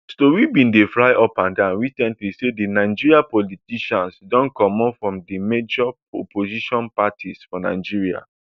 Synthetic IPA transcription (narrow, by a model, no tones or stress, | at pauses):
stowibĩndefɹaɪɔpãndãnwisɛ̃ntlisedinaɪd͡ʒiɹiapɔlitiʃãnsdɔ̃nkɔmɔ̃nfɹɔ̃mdimed͡ʒɔ | o̰pʰoziʃɔ̃npatʰisfɔna̰ɪd͡ʒiɹia̰